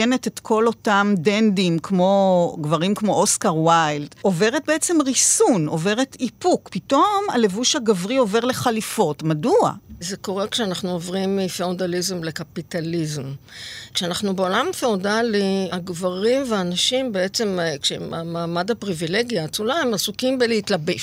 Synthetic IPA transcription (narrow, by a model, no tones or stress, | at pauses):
ene̞tetkʰo̞lo̞tamdendimkmo̞ɡvaʁimkmo̞ʔoskaʁwajldo̞veʁet̚beet͡se̞mʁisuno̞ve̞ʁetipukpito̞ma̰le̞vuʃhaɡavʁio̞ve̞ʁle̞χalifo̞tmadua̰zeko̞ʁekʃeanaχnuovʁimːifeodalizemle̞kapitalizmkʃeanaχnube̞olamafeodaliaɡvaʁimveaːnaʃimbe̞et͡se̞mkʃḛmamaːmadhapʁivileɡjaːt͡sulaemasukimbelehitlabe